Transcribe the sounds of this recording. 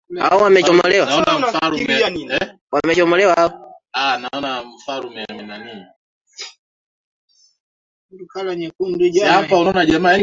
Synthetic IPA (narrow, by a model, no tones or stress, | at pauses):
a̰ɔwamɛt͡ʃɔmɔlɛwaanalan | wamɛt͡ʃɔmɔlɛwaɔanaɔnam̩falumɛɛmɛnanini | dukalaɲɛkundud͡ʒaapaunɔnad͡ʒama